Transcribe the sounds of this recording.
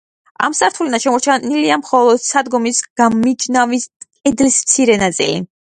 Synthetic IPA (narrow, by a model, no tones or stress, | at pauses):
a̰msaɾt̪ʰulinaʃɛmɔɾt͡ʃʰaniliamχɔlˠɔd̪̥sad̪ɡɔmisɡ̥amid͡ʒnaviskʼɛd̪lismt̪sʰiɾɛnat̪sʼḭlḭ